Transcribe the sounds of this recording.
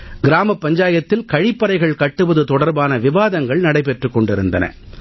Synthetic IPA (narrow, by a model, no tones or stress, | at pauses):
ɡɪɾaːmɐpːɐɲd͡ʒaːjɐt̪ːɪlkɐɻɪpːɐɾɐɪɣɐɭkɐʈːɯʋɐðɯt̪ɔɽɐɾbaːnɐʋɪʋaːðɐŋɡɐɭnɐɽɐɪpɛʈrɯkːɔɳɖɪɾɯnd̪ɐnɐ̰